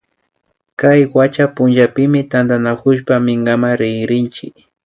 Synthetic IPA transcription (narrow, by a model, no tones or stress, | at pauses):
kajwat͡ʃapʊnʒapɪmɪt̪and̪anakʊʃpamɪŋɡamaɾɪɡɾɪnt͡ʃɪ̰k